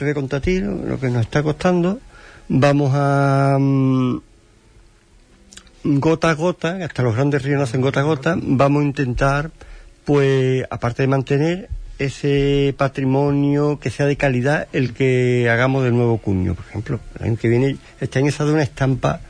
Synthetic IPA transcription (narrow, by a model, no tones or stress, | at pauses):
ðeko̞nt̪at̪ilo̰lo̰kenoset̪ako̞t̪and̪obamoɦa | ɡo̞t̪aɣo̞t̪aaht̪aloɣɾand̪e̞rionaθe̞ŋɡo̞t̪aɣ̞o̞t̪abamoint̪e̞nt̪aɾpwea̰paɾt̪e̞ðe̞mãnt̪e̞ne̞ɾe̞sepat̪ɾimõ̞njoke̞seaðe̞kaliðae̞lke̞aɣamoɦðe̞nwe̞β̞o̞kuɲo̰poɾexe̞̰mploḛla̰ɲokeβje̞ne | e̞st̪e̞aɲosaðounaehst̪ampa̰